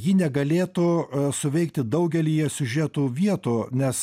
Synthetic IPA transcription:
jɪnʲɛɡɐlʲeːt̪ʊsʊʋʲɛɪk̚t̪ʲɪd̪ɐʊɡʲɛlʲiːjɛsʲʊʒʲɛt̪uːʋʲiɛt̪uːnʲɛs

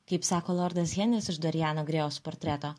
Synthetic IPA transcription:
kɐɪpsɑːkoːlˠɔɾd̪ɐsɣʲɛnʲlʲɪsɪʒd̪oɾʲɪjæːnoːɡɾʲeːospɔːɾʲt̪ʲɾʲɛt̪oː

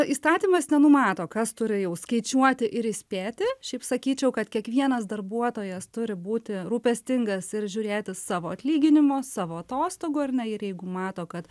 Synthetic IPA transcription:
iːst̪ɑːtʲiːmɐsnʲɛnʊmɑːt̪oːkɐst̪ʊɾʲɪjɛʊskɐɪt͡ʃʲuɔt̪ʲɪʔɪɾɪsʲpʲeːt̪ʲɪʃʲɛɪpsɐkʲiːt͡ʃʲɛʊkɐt̪kʲiɛkʋʲiɛnɐsd̪ɐrbuɔt̪oːjɛst̪ʊɾʲɪbuːt̪ʲɪɾuːpʲɛsʲt̪ʲɪŋɡɐsɪɾʒʲuɾʲeːt̪ʲɪssɑːʋoːɐt̪ʲlʲiːɡʲɪnʲɪmoːsɑːʋoːɐt̪oːst̪oːɡʊɐrʲnʲɛɪɾjɛɪɡʊmɑːt̪oːkɐt̪

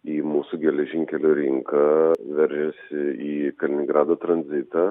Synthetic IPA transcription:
iːmuːsuɡʲɛlʲɛʒʲɪŋʲkʲɛlʲuːɾʲɪŋkɐʋʲɛɾʲʒʲɛsʲɪiːkɐlʲɪnʲɪŋɡɾɑːd̪oːt̪ɾɐnʲzʲɪt̪ɑ

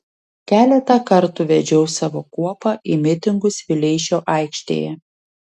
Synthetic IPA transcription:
kʲæːlʲɛt̪ɐkɐɾt̪ʊʋʲɛd͡ʒʲɛʊsɑːʋoːkuɔpɑʔɪmʲɪt̪ʲɪŋɡʊsʋʲɪlʲɛɪʃʲoːʔɑˑɪkʃʲt̪ʲḛːjɛ

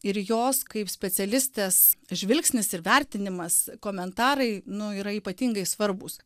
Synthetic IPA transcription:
ɪɾjoːskɐɪpsʲpʲɛsʲɛlʲɪsʲt̪ʲeːsʒʲʋʲɪlʲksʲnʲɪsɪɾʋʲɛɾʲt̪ʲɪnʲɪmɐskoːmʲɛnt̪ɑːɾɐɪnʊiːɾɐiːpɐt̪ʲiːŋɡɐɪsʋɐɾbʊs

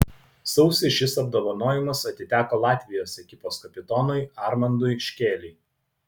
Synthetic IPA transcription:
sɒʊsʲɪʃʲɪsɐb̚d̪oːʋɐnoːjɪmɐsɐt̪ʲɪt̪ʲæːkoːlˠɑːt̪ʲʋʲɪjoːsʲɛkʲɪpoːskɐpʲɪt̪ɔnʊɪɑɾmɐnd̪ʊɪʃʲkʲeːlʲɪɪ

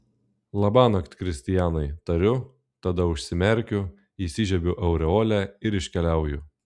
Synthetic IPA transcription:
lˠɐbɑːnɐkt̪ʲkɾʲɪsʲt̪ʲɪjæːnɐɪt̪ɐɾʲʊ | t̪ɐd̪ɐʊʃʲsʲɪmʲɛɾʲkʲʊ | isʲɪʒʲɛbʲʊʔɛʊɾʲɛoːlʲæɪɾɪʃʲkʲɛlʲæˑʊjʊ

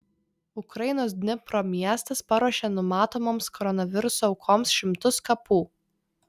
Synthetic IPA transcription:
ʊkɾɐɪnoːsd̪ʲnʲɪpɾoːmʲiɛst̪ɐspɐɾuɔʃʲeːnʊmɑːt̪oːmoːmskɔɾɔnɐʋʲɪɾʊsɔɐʊkʰoːmsʃʲɪmt̪ʊskɐpuː

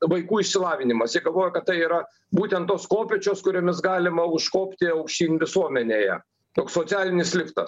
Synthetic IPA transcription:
ʋɐɪkuːɪʃʲsʲɪlˠɑːʋʲɪnʲɪmɐsjiɛɡɐlˠʋoːjɛkɐt̪t̪ɐɪiːɾɐ | buːt̪ʲɛnt̪t̪ːoːskoːpʲɛt͡ʃʲoːskʊɾʲoːmʲɪs̬ɡɑːlʲɪmɐʊʃkoːpʲt̪ʲɪɐʊkʃʲtʲiːnʲʋʲɪsuɔmʲɛnʲeːjɛ̰ | t̪oːkssoːsʲæːlʲɪnʲɪslʲɪkt̪ɐ̰s

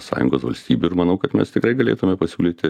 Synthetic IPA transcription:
sɑ̰ːjʊ̰ŋɡoːsʋɐ̰lʲsʲt̪ʲiːbʲuɪɾmɐnɐʊkɐt̪mʲɛ̰st̪ʲɪkɾɐɪɡɐlʲḛːt̪ʊmʲɛpɐsʲuːlʲiːt̪ʲɪ

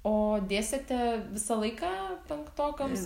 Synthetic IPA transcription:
oːd̪ʲeːsʲɛt̪ʲɛʋʲɪsɐlˠɐɪkɑːpʲɛŋkt̪oːkʲoms

